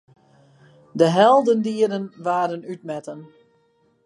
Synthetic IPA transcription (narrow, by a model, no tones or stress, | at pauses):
dəɦɛlˠdəndiədənʋaːdənytmɛtən